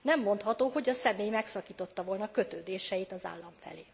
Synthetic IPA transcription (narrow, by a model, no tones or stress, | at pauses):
nɛmːo̞n̪t̪hɒt̪oːɦo̞ɟɒsɛmeːjmɛksɒkiːt̪o̞t̪ːɒvo̞lnɒkø̞t̪øːd̪eːʃɛjit̪ɒza̰ːlːɒɱfɛ̰leː